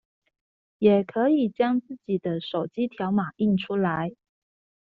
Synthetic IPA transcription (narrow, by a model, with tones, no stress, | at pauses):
jɛ˨˩kʰɤ˧˥i˨˩t͡ɕjɑ˥ŋt͡sɹ̩˥˩t͡ɕi˨˩d̪ə˦ʂo˨˩ʊt͡ɕi˥t̪ʰjɑ˧˥ʊma˨˩i˥˩nʈ͡ʂʰu˥la˧˦ɪ